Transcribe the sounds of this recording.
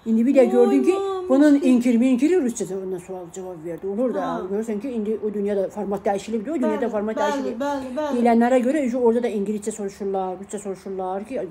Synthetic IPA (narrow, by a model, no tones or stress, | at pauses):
ind̪ibid̪æɟøɾd̪ymcʰibununiɲcʰiɾmiɲcʰiɾiɾust͡ʃad̪abunɑsuɑlˠd͡ʒavɑbveɾd̪iolˠuɾd̪uɡøɾyɾsæmcʰiind̪iʔod̪ynjɑːd̪ɑfoɾmɑt̪̚d̪æjiʃilʲib̚d̪iod̪ynjɑːd̪afoɾmɑt̪̚d̪æiʃilʲibid̪ejilʲænːæɾæɟø̞ɾæyd͡ʒuoɾd̪ɑd̪ɑiɲɟilist͡ʃɛso̞ɾuʃuɾlˠɑɾɾust͡ʃaso̞ɾuʃuɾlˠɑɾcʰi